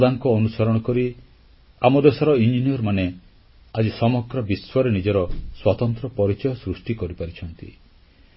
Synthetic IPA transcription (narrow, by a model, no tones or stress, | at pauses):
d̪aŋkɔːnusɔɾɔɽ̃ɔkɔɾi | amɔd̪esɔɾɔind͡ʒiniɔɾmane | ad͡ʒisɔmɔɡɾɔbiswɔɾenid͡ʒɔɾɔswat̪ɔnt̪ɾɔpɔɾit͡ʃɔjɔsɾusʈikɔɾipaɾit͡ʃʰɔnt̪ḭ